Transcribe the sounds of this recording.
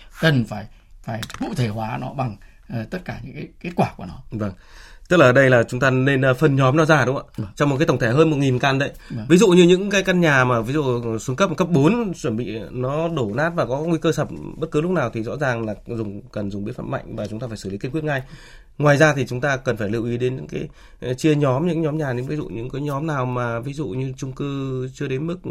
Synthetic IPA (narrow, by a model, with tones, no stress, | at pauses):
kə˨˩nfaː˧˩j | faː˧˩jkṵ˧˥t̪ʰe˧˩hwaː˨˦nɔ˨˦ɓa˨˩ŋː˨˩ | t̪ə˦˥t̚kaː˧˩ɲɨ̰˧˥ŋka˨˦ke˦˥t̚kwaː˧˩ku˧˩ənɔ˨˦və˧˩ŋ | t̪ɨ˦˥laː˨˩˨ɗə˧jlaː˨˩t͡ɕʊ˨˦ŋ͡mt̪aː˧ne˧nː˧˦fə˧nɲɔ˨˦mnɔ˨˧˦zaː˧˩ɗʊ˨˦ŋ͡mʔa̰ː˧˩˧t͡ɕɔ˧wŋ͡m̚kaː˨˦t̪ə˧˩ŋ͡mt̪ʰe˧˩ɦəː˧nmo˨˩t̚ŋi˨˩nkaː˧˩nɗə̰˧˦jvi˨˦zṵ˧˨ɲɨ˧ɲɨ̰˧˥ŋkaː˨˦jka˧nɲaː˨˩maː˨˩vi˨˦zṵ˧˨swə˨˦nŋkə˦˥p̚kə˦˥p̚ɓo˨˦nt͡ɕwə˧˩nɓḭ˧˨nɔ˨˦ɗo˧˩naː˦˥t̚vaː˨˩kɔ˨˦˥ŋwi˧kəː˧sə˨˩p̚ɓə˦˥t̚kɨ˨˦lʊ˦˥k͡p̚naː˨˩wt̪ʰi˨˩zɔ̰˧˥zaː˨˩ŋlaː˨˩zʊ˨˩ŋ͡mkə˨˩nzʊ˨˩ŋ͡mɓi˨˦ət̚fa̰ː˧˩ma̰˧˨jŋ̟vaː˨˩t͡ɕʊ˨˦ŋ͡mt̪aː˧aː˧˩jsɨ˧˩li˨˦ki˧nkwət̚ŋa˧j | ŋwaː˨˩jzaː˧t̪ʰi˨˩t͡ɕʊ˨˦ŋ͡mt̪aː˧kə˨˩nfaː˧˩jli˧˩əwʔi˨˦ɗe˨˦nɲɨ̰˧˥ŋkaː˨˦j | jt͡ɕi˧əɲɔ˨˦mɲɨ̰˧˥ŋɲɔ˨˦mɲaː˨˩ɲɨ̰˧˥vi˨˦zṵ˧˨ɲɨ̰˧˥ŋkaː˨˦jɲɔ˨˦mnaː˨˩wmaː˨˩vi˨˦zṵ˧˨ɲɨ˧t͡ɕʊ˧ŋ͡mkɨ˧t͡ɕɨ˧əɗe˨˦nmɨ˦˥k̚